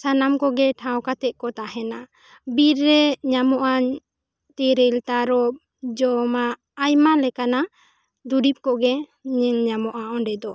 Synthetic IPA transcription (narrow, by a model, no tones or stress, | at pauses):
sanamkɔɡɛʈʰãwkat̪ɛʔ̚kɔt̪aɦɛna | biɾːɛɲamɔʔaɲ | t̪ɛɾɛlt̪aɾɔ | d͡ʒɔmaː | jmalɛkana | d̪uɖip̚kɔɡɛɲɛŋɲamɔʔaʔɔ̃ɖɛd̪ɔ